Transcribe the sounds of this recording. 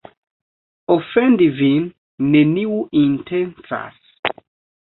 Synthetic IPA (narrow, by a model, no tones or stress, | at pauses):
ɔfɛ̃ndivĩn | neniuĩntʰɛ̃nsa̰s